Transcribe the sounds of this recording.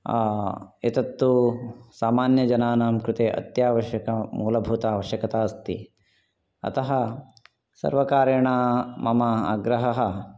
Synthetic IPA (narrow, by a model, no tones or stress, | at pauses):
aːet̪ɐt̪ːusaːmaːnjɐd͡ʒɐnaːnaːmkɾut̪eːʔɐ̰t̪jaːʋɐʃjɐkɐmuːlɐbʱuːt̪aːʋɐʃjɐkɐt̪aːst̪ḭ | ɐ̰t̪ɐɦɐ | sɐ̰ɾʋɐkaːɾjɐɳaːmɐmɐaːɡɾɐɦɐɦɐ̆